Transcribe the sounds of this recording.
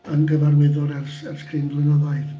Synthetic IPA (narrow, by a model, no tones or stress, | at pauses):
ənɡəvarmɛðʊlˠɛrsɛrskʰrɪnblˠɪnɔðajð